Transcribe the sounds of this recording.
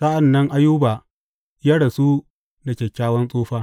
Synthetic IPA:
sa˦ʔa˨nːɐ˦ŋʔa˦juː˦baː˨ | ja˦ɽɐ˨su˦ | na˨kʲɛ˨kʲːaː˦wɐ˦nsʼoː˦ɸaː˦

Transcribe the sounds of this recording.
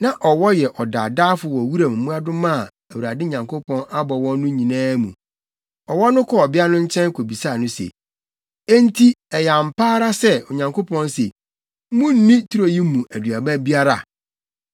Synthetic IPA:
nã˨ʔɔ˨wɔ˦jɛ˨ʔɔ˨da̰ː˨daː˦fʊ˨wɔ˨wu˦ɾa˨m̩˨mũ˦a˦dʊ̃˦mã˦˨ | æ˨wu˨a˨dɪ˦˨ɲã˨ŋkʰʊ˦pʰɔ̃˦nʔa˦bɔ˨wɔ̃˦nː˦ʊ̃˦ɲĩ˨nãː˦mũ˨ | ɔ˨wɔ˦nʊ̃˦kʰɔ˦ɔ˨bɪ˦a˦nʊ̃˦ɲ̩˦t͡ɕʰɛ̃˦ŋ˦kʰo˨bi˨sa˦˨nʊ̃˦sḛ˨ | e˦n˦tʰi˦ɛ˨ja˨m̩˨pʰaː˦ɾa˦sɛ˦ɔ˨ɲã˨ŋko˦pʰɔ̃˦nse˨˦ | mũ˦n̩˦nĩ˦tʰu˦ɾo˨ji˦mũ˨ʔæ˨dɥa˨bæ˦bi˦a˦ɾa̰˨

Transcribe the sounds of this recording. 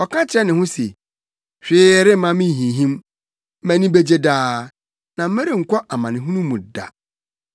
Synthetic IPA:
ɔ˨kʰã˦t͡ɕʰɪ˨ɾɛ˦nɪ̃˨hʊ̃˦se˨ | ɕᶣɪː˦ɾɪ˦m̩˦mã˦mĩ˦˨ɦĩ˨ɦĩ˦m̩˦ | mæ̃˨nĩ˦be˦d͡ʑe˦daː˦ | nã˨m̩˦æ˦ɾi˦˨ŋ̩˨kʷʰɔ˦ʔa˨mã˨nɪ̃˨ɦũ˦nũ˦mũ˨da̰˨

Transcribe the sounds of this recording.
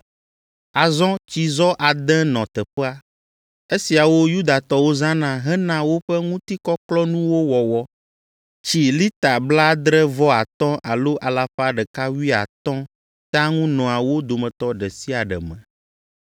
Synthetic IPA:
a˨zɔ̃˦t͡ɕi˨zɔ˦ʔa˨d̪ɛ̃˦nɔ̃˨t̪ɛ˨ɸɛ˦a˦ | e˦si˨a˨wo˦ju˦d̪a˨t̪ɔ˦wo˦zã˦nã˨ɦɛ˦nã˨wo˦ɸɛ˦ŋũ˦t̪i˦kɔ˦klɔ˦nũ˦wo˦wɔ˨wɔ˨ | t͡ɕi˨li˦t̪a˨bla˦d̪ɾɛ˦vɔ˦a˨t̪ɔ̃˦ʔa˨lo˦ʔa˨la˦ɸa˦ɖɛ˨ka˦wi˦a̰˨t̪ɔ̃˦ | t̪a˦ŋũ˦nɔ̃˨a˨wo˦d̪o˨mɛ̃˨t̪ɔ˦ɖɛ˨si˦a˨ɖɛ̰˨mɛ̰̃˨

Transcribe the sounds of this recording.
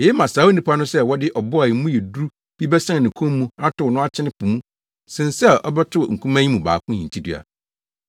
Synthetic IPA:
jɛ˦mã˨saː˨˦o˦nĩ˦pʰa˦nʊ̃˦sɛ˦wɔ˦dɪ˦ʔɔ˨bɔ˦a˨jmũ˦jɛ˨du˦u˦ | b̥i˦bɛ˦sã˦˨nɪ̃˨kʰũ˦mː˦ũ˦a˦tʊ˨nʊ̃˦a˦˨t͡ɕʰɪ˦nɪ̃˦pʰũ˨mũ˦ | sɪ̃˨n˨sɛ˦ʔɔ̰˦bɛ˦tʰʊ˦˨ŋ̩˨kʰũ˦mã˦ɲĩ˦mũ˨ba̰ː˨kʰʊ̃˦ɲĩ˨tʰi˦dɥa̰˨

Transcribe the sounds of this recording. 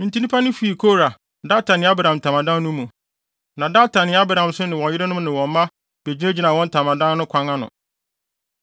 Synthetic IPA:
n̩˨ti˦nĩ˦pʰa˦nʊ̃˦fu˨i˨kʰo˦ɾa˨ | da˦tʰa˨nɪ̃˨˦a˦ba˦˨ɾã˨m̩˨tʰa˨mã˨dã˦nː˦ʊ̃˦mːũ˨ | nã˨da˦tʰa˨nɪ̃˨˦a˦ba˨ɾhã˨msʊ˦nɪ̃˨wɔ̃˨njɪ˦ɾɪ˦nʊ̃˦mnɪ̃˨wɔ̃˨m˦mã˦ | b̥e˨d͡ʑi˦ne˦d͡ʑi˦nã˨wɔ̃˦n˦tʰa˨mã˨dã˦n˦nʊ̃˦kʷʰã˦ŋa˦nʊ̰̃˨

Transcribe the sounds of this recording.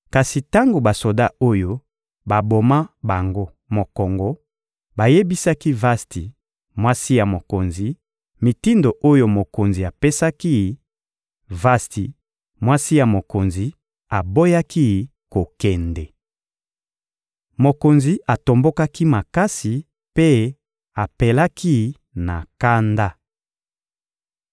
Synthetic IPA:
ka˨si˨ta˦ŋɡo˨ba˨so˨da˦o˦jo˦ | ba˨bo˨ma˦ba˨ŋɡo˦ | mo˨kɔ˨ŋɡɔ˨ | ba˨je˦bi˦sa˦ki˦va˦sti˨ | mwa˦si˦ja˨mo˨ko˨nzi˨ | mi˨ti˦ndo˨ʔo˦jo˦mo˨ko˨nzi˨a˨pe˦sa˦ki˦˨ | va˦sti˨ | mwa˦si˦ja˨mo˨ko˨nzi˨ | a˨bo˦ja˦ki˦ | ko˨kɛ˨ndɛ˨ | mo˨ko˨nzi˨ʔa˨to˨mbo˦ka˦ki˦ma˨ka˦si˨ | pe˦ | a˨pe˨la˦ki˦ | na˨ka˦nda˦

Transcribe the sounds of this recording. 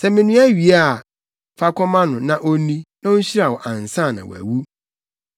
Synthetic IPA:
sɛ˦mɪ̃˨nũ˦æ˦ɥi˨a˦˨ | fa˦kʰʷɔ˦mã˦nʊ̃˨nã˦ʔo˦nĩ˦nã˦ʊ˦ɕi˦ɾa˨wɔ˨ʔã˨n̩˨sã˦˨nã̰˨w̰æ̰˨wu˦

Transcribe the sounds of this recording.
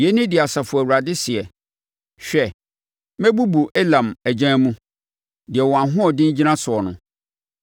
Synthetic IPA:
jɛ˦nɪ̃˦dɪ˨a˨sa˨fʊ˨æ˨wu˨ɾa˨dɪ˦sɪ˨ɛ˨ | ɕᶣɛ˨ | mɛ̃˦bu˦bu˨ʔe˦lã˨mæ˨d͡ʑã˦mũ˦ | dɪ˨ɛ˨wɔ˨ã˨ɦʊ̃˦ɔ˨dɪ̃˦n̩˦d͡ʑi˦nã˦sʊ˨ɔ˨nʊ̃˨

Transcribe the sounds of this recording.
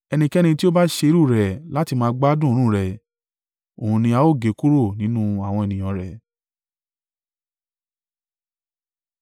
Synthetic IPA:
ɛ˧nĩ˧kɛ˦ñĩ˧ti˦o˦ba˦ʃe˧i˧˦ɾu˦˨ɾɛ˨la˨˦ti˧mãː˦ɡ͡ba˦dũ˦˨˧ɾ̃ũ˦˨ɾɛ˨ | o˨hũ˧nĩ˧a˨˧˦o˦˨ɡe˨˦ku˦ɾo˦˨nĩ˨˦nũ˦a˦˨w̃ɔ̃˧ɛ˨nĩ˨j̃ɔ̃˧ɾɛ˨

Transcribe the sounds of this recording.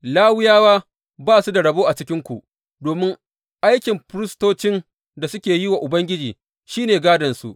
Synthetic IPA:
laː˦wɪ˦jaː˦waː˦ | baː˦˨su˦da˨ɽɐ˨boː˦ʔa˨t͡ʃɪ˦kʲɪ˦ŋkʷu˨ʔ | doː˨mɪ˦ŋ | ʔa˦jkʲɪ˨mpɾɪ˦stoː˦t͡ʃɪ˦n | da˨sʊ˦kʲeː˨jɪ˦wa˨ʔʊ˨bɐ˦ŋɡʲɪ˦d͡ʒiː˨ | ʃiː˦neː˨ɡaː˦dɐ˨nsṵ˦˨ʔ

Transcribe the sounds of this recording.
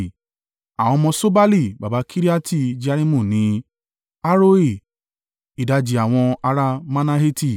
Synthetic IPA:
a˨w̃ɔ̃˧mɔ̃˧so˦ba˦li˦˨ba˨ba˨˧˦kʰi˦ɾi˦a˦ti˦˨d͡ʒi˦a˦ɾi˦mũ˦˨nĩ˨˦ | a˦ɾo˦i˦˨ | i˨da˨˧d͡ʒi˨a˨w̃ɔ̃˧a˧ɾa˧mã˦na˦˧ɦe˦ti˦˨

